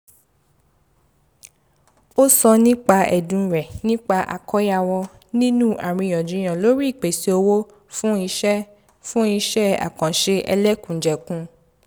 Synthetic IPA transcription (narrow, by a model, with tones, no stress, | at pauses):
o˦sɔ˧nĩ˦k͡pa˧ʔɛ˨dũ˨˧ɾɛ˨nĩ˦k͡pa˧ʔa̰˨kɔ˦ja˧wɔ˧ | nĩ˦nũ˦a˨ɾ̃ĩ˧˨jɔ̃˨d͡ʒũ˨˦j̃ã˨lo˦ɾi˦˨k͡pe˨si˧˦o˧wo˦ | fũ˦i˧ʃɛ˦ | fũ˦i˧˦ʃɛ˦a̰˨kã˨ʃe˧ɛ̰˧lɛ˦kũ˨d͡ʒɛ˨kũ˧˦